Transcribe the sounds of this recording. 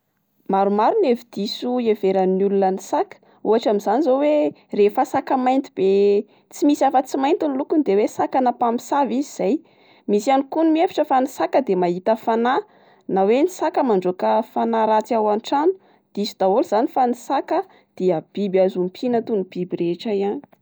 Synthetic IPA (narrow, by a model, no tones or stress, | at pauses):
maɾumaɾunevid̪̥isueveɾanulunənisakə̥ | uɦaʈ͡ʂamizanizowe | refasakəmajnt̪ib̥e | t͡simisiafət͡simajnt̪inlukund̪ewesakanapami̥saviziz̥aj | misianikunumiefi̥ʈ͡ʂəfanisakəd̪emaɦit̪əfana | nawenisakəmaɳɖ͡ʐokəfanaɾat͡siawanʈ͡ʂanu̥ | d̪̥isud̪̥aoluz̥anifanisakə | d̪̥iəb̥ibazumpʰinət̪unib̥ibireʈ͡ʂajani̥